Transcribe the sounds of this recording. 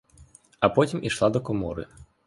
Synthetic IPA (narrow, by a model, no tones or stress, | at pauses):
ɐpɔtʲimiʂlˠad̪ɔkɔmɔ̰ɾɨ̰